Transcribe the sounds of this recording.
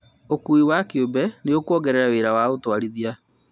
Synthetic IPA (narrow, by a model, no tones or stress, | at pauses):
okuiwakeobɛneokwɔɡɛɾɛɾaweːɾawaotwaɾiðia